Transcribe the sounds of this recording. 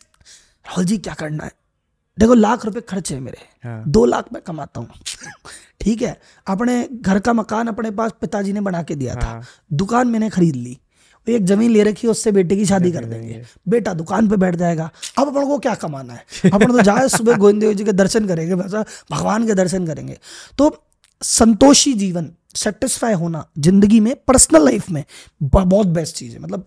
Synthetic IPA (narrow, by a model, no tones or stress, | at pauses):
ɾaːɦʊld͡ʒiːkjaːkɐɾna̰ɦɛː | d̪eːkʰolaːkʰɾʊp̬ekʰɐɾt͡ʃɦɛmḛːɾḛ | d̪oːla̰ːkʰmɛ̃kɐmaːt̪a̰ɦũ | ʈʰiːkɦɛː | ɐpneɡʱɐɾkamɐkaːnɐpnepaːspɪt̪ad͡ʒiːnebɐɽaːked̪ija̰t̪ʰḁ̰ː | d̪ʊkaːnmɛ̃ːnexɐɾiːd̪lḭː | eːkzɐmiːnleɾɐkʰːiʊsːebeːʈ̬ek̬iʃ̬aːd̪ikɐɾd̪ẽŋɡḛː | beːʈad̪ʊkaːnp̬ebɛːʈʰd͡ʒaːeːɡaːɐbɐpnãkokjaːkɐmaːnaɦɛːɐpnẽt̪od͡ʒaːesʊbeɡoːɪ̃nd̪eod͡ʒked̪ɐɾʃənkɐɾẽːɡebɛːsabʱɐɡʋaːnk̬ed̪ɐɾʃənkɐɾḛ̃ːŋɡḛːt̪oː | sɐ̃nt̪oːʃid͡ʒiːʋən | sɛːʈɪsfʰaːiɦoːnazɪ̃nd̪əɡimẽpɐɾsnəlːaɪfʰmẽ | bɔːt̪̚bɛːst͡ʃiːzḛ̃mɐt̪ləb̚